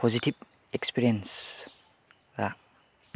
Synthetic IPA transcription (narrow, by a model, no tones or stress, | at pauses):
pʰɔzitib̚ekspiɾiens | ɾa